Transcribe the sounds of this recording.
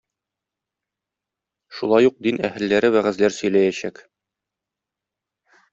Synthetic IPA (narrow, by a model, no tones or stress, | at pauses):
ʃulˠɑjuq̚d̪inæhɘ̆lːæɾɘwæʁæ̆zlæɾsɵ̆jlæjæɕæk